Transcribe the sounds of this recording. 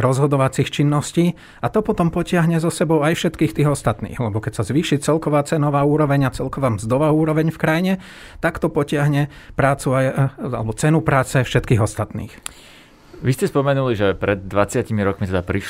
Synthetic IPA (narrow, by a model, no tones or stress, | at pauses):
ɾɔzɦɔd̪ɔʋat͡sixt͡ʃinːɔsciː | at̪ɔpɔt̪ɔmpɔcɪaɦɲɛzɔsɛbɔʊajfʃɛt̪kiːxt̪iːɣɔst̪at̪nḭːɣlɛbɔkɛcsazʋiːʃit͡sɛlkɔʋaːt͡sɛnɔʋaːuːɾɔʋɛɲat͡sɛlkɔʋaːmzd̪ɔʋaːuːɾɔʋɛɲfkɾajiɲɛ | t̪akt̪ɔpɔcɪaɦɲɛpɾaːt͡suaja̰lɛbɔt͡sɛnupɾaːt͡sɛfʃɛt̪kiːɣɔst̪at̪nḭːx | ʋiscɛspɔmɛnuliʒɛpɾɛd̪̚ːʋat͡sɪacimiɾɔkmit̪ɛd̪apɾiʃ